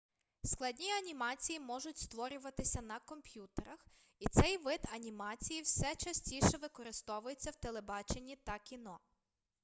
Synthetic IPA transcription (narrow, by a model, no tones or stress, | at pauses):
sklˠɐdʲnʲiɐnʲimɑt͡sʲijimɔʒʊtʲst̪ʋɔɾʲʊʋɐt̪ɪsʲɐnɐkɔmpʲjut̪eɾɐx | it̪sɛjʋɪd̪ɐnʲimɑt͡sʲijiwsɛt͡ʃɐsʲtʲiʃɛʋɪkɔɾɪst̪ɔʋʊjet͡sʲːɐwt̪elˠebɑt͡ʃe̞nʲːit̪ɐkʲinɔ